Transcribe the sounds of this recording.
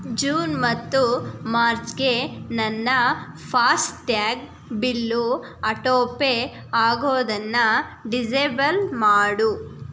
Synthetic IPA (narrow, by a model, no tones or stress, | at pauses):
d͡ʒuːnmɐt̪ːumaːɾt͡ʃɡe̞nɐnːɐ | pʰaːsʈʈaːɡ | bilːu | ɐʈoːpe | aːɡoːd̪ɐnːɐɖid͡ʒɐbɐlmaːɽu